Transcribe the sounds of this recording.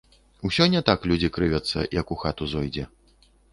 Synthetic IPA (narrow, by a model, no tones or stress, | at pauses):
usʲɔnʲɛt̪aklʲud͡zʲikɾɨvʲɐt̪sːɐ̰jɐkuxat̪uzɔjd͡zʲɛ